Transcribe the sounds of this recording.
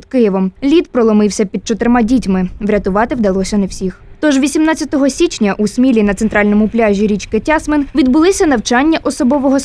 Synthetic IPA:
d̪kɪjɛʋɔmlʲit̪pɾɔlˠɔmɪwsʲɐpʲid̪̚t͡ʃɔt̪ɪɾmɑdʲitʲmɪʋɾʲɐt̪ʊʋɑt̪ɪwd̪ɐlˠɔsʲɐnɐwsʲixt̪ɔʒʋʲisʲimnɑt͡sʲːɐt̪ɔɦɔsʲit͡ʃnʲɐʔusʲmʲilʲinɐt̪seɛnt̪ɾɑlʲnɔmʊplʲaʒʲiɾʲit͡ʃkɪtʲɑsmenʋʲid̪bʊlˠɪsʲɐnɐwt͡ʃɑnʲːɐʔɔsɔbɔʋɔɦɔ

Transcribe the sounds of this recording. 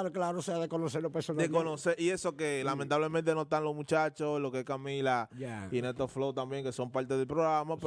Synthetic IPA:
ɾoklaɾooseaðekonoseɾopesodekonoseɾʔiesokelamẽnt̪aβlemẽnt̪e̞nost̪anlosmut͡ʃat͡ʃoslokeskamilaainet̪oflot̪ambjeŋkeso̞mpaɾt̪eðelpɾoɣɾamap

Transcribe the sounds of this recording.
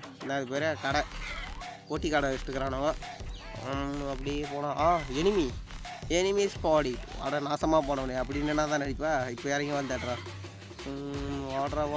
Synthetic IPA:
nãɐðɯpeːɾakɐɽɐ | koːʈːikɐɽɐɪsʈːɯkːɐɾaːnɐʋɐ | ɐp̬ːɐɽiepoːnãːʔaːɛnɪmi | ɛnɪmeːspaːɽia̰ːɽɐnaːsɐmaːpoːɳɐʋɐneɐp̬ːɐɽɪnːɐnːaːt̪ãːnɐɽɪpːaːɪpːoːaːɾɐŋɡiʋɐnd̪aʈːɾãː | aːɽɾɐ

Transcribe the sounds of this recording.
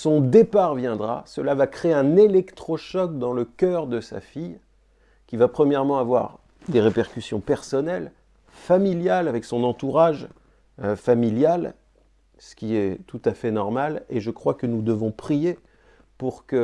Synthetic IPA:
sɔ̃d̪epaʁvjɛ̃d̪ʁa̰səlavakχeɛ̃nelɛkt̪χɔʃɔk̚d̪ɑ̃ləkʲœʁd̪əsa̰fij | kʲivapχəmjɛʁmɑ̃avwa̰ʁ | d̪eʁepɛʁkʲysjɔ̃pɛʁsɔnɛl | familjalavɛksɔ̃nɑ̃t̪uʁaʒ | familjal | sə̥kʲiɛt̪ut̪afɛnɔʁmaleʒəkχwakənud̪əvɔ̃pχije | puʁkə

